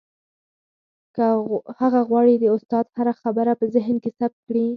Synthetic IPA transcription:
kahaɣaɣwɑɽid̪əʊst̪ɑd̪haɾaxabəɾapəzɪɦnkesap̚t̪̚kɽi

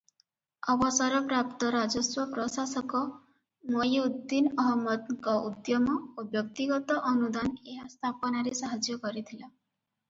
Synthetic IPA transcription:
ɔbɔsɔɾɔpɾap̚t̪ɔɾad͡ʒɔswɔpɾɔsasɔkɔ | mɔjud̪inɔɦɔmːɔd̪ŋkɔud̪jɔmɔobjɔk̚t̪iɡɔt̪ɔʔɔnud̪aneɦast̪ʰapɔnaɾesaɦad͡ʒjɔkɔɾit̪ʰila

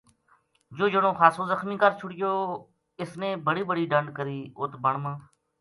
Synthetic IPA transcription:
d͡ʒoːd͡ʒəɳõːxʰaːsoːzəxmiːkəɾt͡ʃʰʊɽɪjoː | ɪsnẽːbəɽiːbəɽiːɖəɳɖkəɾiːʊːt̪bəɳmãː

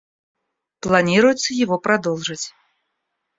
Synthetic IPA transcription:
plˠanʲiɾujut̪sːɐjaɣɔpɾad̪ɔlˠʐɨt͡sʲ

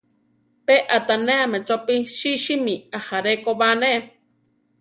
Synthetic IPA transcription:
peʔat̪aneamet͡ʃopiʃiʃimiahaɾekoβaneʔ

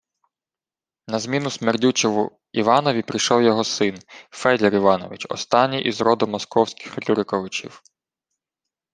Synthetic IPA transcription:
nɐzmʲinʊsmerdʲut͡ʃɔʋʊ | iʋɑnɔʋʲipɾʲɪjʃɔwjɔɦɔsɪnfɛd̪lʲɛɾiʋɑnɔ̰ʋɪt͡ʃɔ̰st̪ɑnʲːiʔizɾɔd̪ʊmɔskɔwsʲkɪ̥xlʲuɾɪkɔʋɪt͡ʃʲḭw

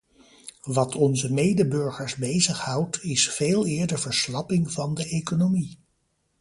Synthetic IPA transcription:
ʋɑtʰɔnzəmejdəbɵɹχəɹzbejzəχhʌwtɪsfeːlˠɪːɹdəɹvəɹslɑpɪŋvɑndəʔejkonomi

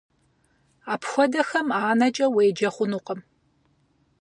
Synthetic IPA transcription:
aːpxʷɔdɐxɐmaːnɐt͡ʃʼɐweːjd͡ʒɐχʷʊnuːqəm

